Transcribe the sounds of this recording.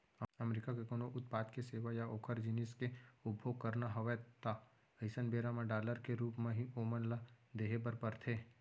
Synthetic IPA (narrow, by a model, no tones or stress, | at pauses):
əmɾikakekoːnoʔʊt̪̚paːt̪keseːʋajaoːkʰəɾd͡ʒinɪskeʊbʱjoːɡ̚kəɾnaɦɐʋɛt̪a | əɪsənbeːɾamẽɖaːləɾkeɾuːpmẽɦioːmənlad̪eːɦepəɾpəɾt̪ʰeː